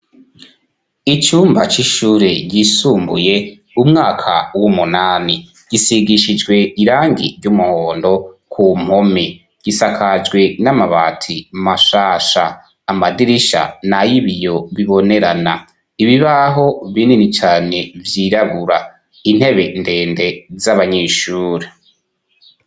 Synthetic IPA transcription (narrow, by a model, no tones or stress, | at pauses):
it͡ʃuːmbat͡ʃiʃuːɾeɟisuːmbṵje̞ | umŋaːkʰa̰wumunaːni | ɡ̥isiɡiʃid͡ʒɡwe̞iɾaːŋɡḭɾɟumuhoːndo̞kʰum̥home | ɡ̥isakʰad͡ʒɡwe̞namaβaːtʰimaʃaːʃaː | madiɾiʃa̰najiβijo̞βiβo̞ne̞ɾana | iβiβaɦo̞βininit͡ʃaːne̞vjiɾaβuɾa | in̥he̞βe̞nde̞ːnde̞zaβaɲeʃuːɾe